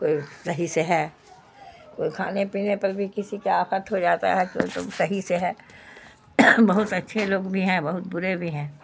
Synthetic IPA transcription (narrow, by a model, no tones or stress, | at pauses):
koːisɐɦiseɦɛ̃ː | koːikʰa̰ːnepiːnepɐɾbʱikɪsikeaːfət̪ɦod͡ʒaːt̪a̰ɦɛ̃ko̰t̪ʊ̰sɐɦiseɦɛ̃ː | bɐɦʊt̪ɐtːʃʰeloːɡbʱiɦɛ̃bɐɦʊt̪̚bʊɾebʱiɦɛ̃ː